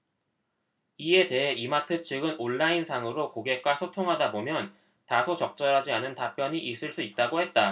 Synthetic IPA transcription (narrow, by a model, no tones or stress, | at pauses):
ie̞te̞ɦe̞ʔimatʰɯt͡ɕʰiɡɯnoɭːainsʰaŋɯɾokoɡe̞k͈wasʰotʰoŋɦadabomjʌn | tasʰot͡ɕʌk̚t͡ɕ͈ʌɾɦad͡ʑianɯntap͈jʌɲiʔis͈ɯɭs͈uit̚t͈aɡohe̞t̚t͈a